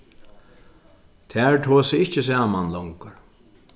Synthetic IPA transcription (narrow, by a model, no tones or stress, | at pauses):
t̪ʰæːɹt̪ʰoːsɪɪhcɪs̬aːmanlɔŋkəɾ